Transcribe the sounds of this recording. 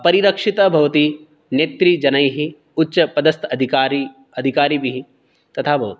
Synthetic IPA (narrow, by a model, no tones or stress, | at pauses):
pɐɾiɾɐkʂit̪ɐbʱɐʋɐt̪i | neːt̪ɾid͡ʒɐnɐjɦi | utːʃɐpɐd̪ɐst̪ɐd̪ʱikaːɾi | ɐd̪ʱikaːɾibiɦi | t̪ɐt̪ʰaːbʱɐʋɐt̪i